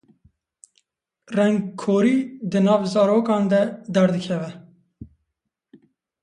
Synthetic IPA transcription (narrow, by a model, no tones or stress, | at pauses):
rɛŋɡkʰoːɾiːd̪ɨnɑːvzɑːɾoːkɑːnd̪ɛd̪ɛɾd̪ɨkʰɛvɛ